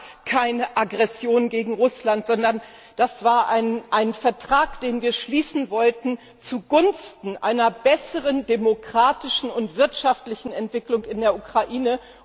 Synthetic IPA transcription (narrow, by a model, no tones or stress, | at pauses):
kʰaɪnəʔaɡʁɛsjoːnɡeːɡŋ̩ʁʊslantz̥ɔndɐn | d̥asv̥aːɐʔaɪnʔaɪnfɛɐtʁ̥aːkd̥eːnviːɐʃliːsn̩vɔltn̩ | t͡suɡʊnstn̩ʔa̰ɪnɐbɛsəʁəndemokʁ̥aːtɪʃn̩ʊntv̥ɪɐtʃaftlɪçn̩ɛntv̥ɪklʊŋkɪndeːɐʔukʁ̥aʔiːnə